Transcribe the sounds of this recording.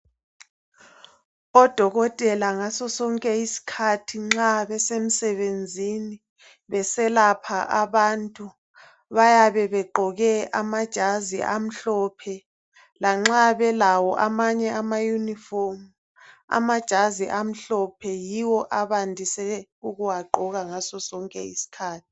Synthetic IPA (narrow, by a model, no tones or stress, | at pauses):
ɔd̥ʱɔɣɔtʼɛlaŋasɔsɔŋkʼɛisi̥kʰatʰiŋ͡ǁaβɛsem̩sɛβend͡zʱini | βɛsɛlapʰaʔaβantʼu | βajaβɛβɛɡ͡ǃʱɔɣɛamad̥ʒ̥ʱaziʔam̩ɬɔpʰɛ | laŋ͡ǁaβɛlawɔʔamaɲɛʔamajuniformu | a̰mad̥ʒ̥ʱaziʔam̩ɬɔpʰɛjiwɔʔaβandʱisɛuɣuwaɡ͡ǃʱɔɣaŋasɔsɔŋkʼɛ̰ḭsi̥kʰaːtʰi̥